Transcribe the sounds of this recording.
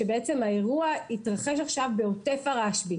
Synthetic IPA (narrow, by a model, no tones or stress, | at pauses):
ebeet͡se̞maeʁuaitʁaχe̞ʃ̬aχʃavbeote̞faʁaʃbi